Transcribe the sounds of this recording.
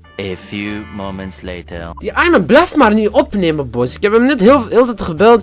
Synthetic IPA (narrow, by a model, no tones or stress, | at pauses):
əfjumõʊ̃mə̃ntslḛɪtʰə˞d̥iʔajmənblɛftmarniʔɔpneməɔpbɔsɪ̥kɛpəmnɛtɦhɪlɪlˠtətəχəbɛlˠt